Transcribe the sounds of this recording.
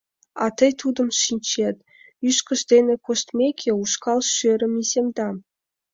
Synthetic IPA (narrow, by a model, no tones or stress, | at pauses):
ɑ̰t̪ɤ̆jt̪ʰud̪ɤ̆mʃinʲt͡ɕet̪ʲ | yʃkʲɘ̆ʃd̪ʲenʲĕkoʃt̪mʲekʲʰeuʃkɑlˠʃøɾʲɘ̆mizʲemd̪ɑ